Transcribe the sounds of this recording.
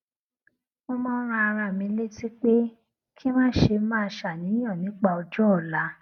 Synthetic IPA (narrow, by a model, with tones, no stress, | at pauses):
mo˧mã˦ɾ̃ã˧a˧ɾ̃ã˧˨mĩ˧˦le˦ti˦k͡pe˦ | kʰi˦mãː˦˨ʃe˧mã˦˧ʃa˨nĩ˨˦j̃ɔ̃˦˨nĩ˨˦k͡pa˧o˧d͡ʒɔ˦ɔ˦˨la˨˦